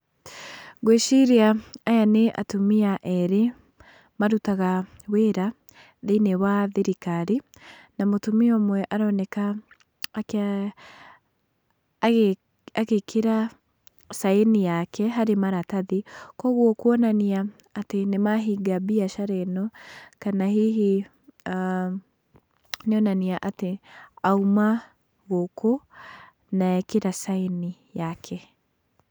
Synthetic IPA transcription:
ɡweʃiɾiaajaneʔa̰tomiaʔɛɾe | maɾutaɣaweɾa | ðenewaðeɾikaɾi | namotumiɔmwɛʔaɾɔnɛka | aɣekʰeɾa | saenijakɛɦaɾemaɾataðikɔɣwɔkwɔnaniaː | tenemaɦiɡabiaʃaɾɛnɔkanahiɦi | a | neɔnaniaʔateauma | ɣɔko | naɛkeɾasaini | jakʰɛ

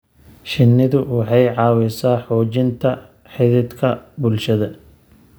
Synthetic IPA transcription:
ʃɪnːɪðʊwɑħɑjʕɑːwɛsaːħɔːt͡ʃɪnt̪ʰɐ | ħɪðɪd̪kʰɐbʊlʃɐðɐ

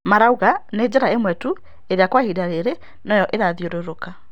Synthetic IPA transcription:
maɾauɣaned͡ʑɛɾaemwɛtu | eɾeakwahidaɾeɾe | nɔjɔʔeɾaðioɾoɾoka

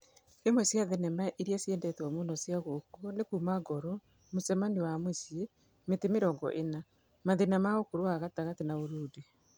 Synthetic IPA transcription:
emwesjaðɛnɛmaʔiɾiasjɛndɛtɔmunɔsjaɣokonekuːmaɡɔɾɔ | musɛmaniwamwesje | metemeɾɔːŋɡɔ̰ʔena | maðenamaokoɾoaɣataɣatenaoɾuːde

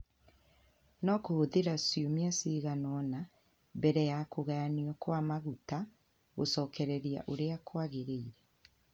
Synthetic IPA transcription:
nɔkohoðeɾasjomiasiɣanɔna | bɛɾɛjakoɣaaniɔkwamaɣuta | ɣo̰sɔːkɛɾɛɾia̰ʔoɾeakwaɣeɾeiɾɛ

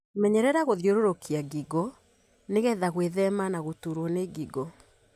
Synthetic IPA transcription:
mɛɲɛɾɛɾaɣoðjoɾoɾokiaɡiɡɔ | neɣɛðaɣweðɛmanaɣotuɾwɔneɡiɡɔ

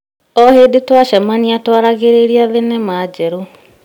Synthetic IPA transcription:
ɔheːdetwaʃɛmaniatwaɾaɣeɾeɾiaðenɛmaːd͡ʑɛɾu

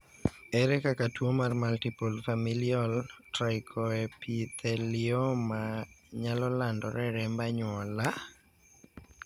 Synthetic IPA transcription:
ɛɾɛkakatwomarmaltipulfamiliɔltɾajkʰɔɛpit̪ʰɛliɔmaɲalɔlandɔɾɛɾɛmbaɲwɔla

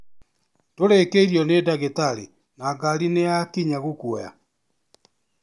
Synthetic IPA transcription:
toɾekeiɾiɔnedaɣetaɾḭ | naɡaɾineakiɲaɣokwɔja̰

